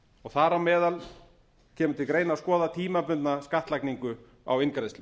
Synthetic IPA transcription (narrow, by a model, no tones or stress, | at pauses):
ɔɣθaɾawmɛːðal | cʰɛːmʏt̪ʰɪlkɾeːjnaskɔːðat̪ʰiːmapʏnt̪naskaht̪lajkniŋkʏ | a̰wɪnkɾest̪ɪ